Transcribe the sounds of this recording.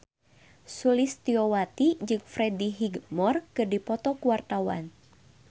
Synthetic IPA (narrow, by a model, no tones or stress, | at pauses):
sulist̪iɔwat̪id͡ʒɨŋfɾɛdiɦiɡmɔrkɨrdipɔt̪ɔkuwart̪awa̰n